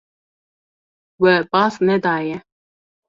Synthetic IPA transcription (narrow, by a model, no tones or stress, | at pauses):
wɛbɑsnɛd̪aːjɛ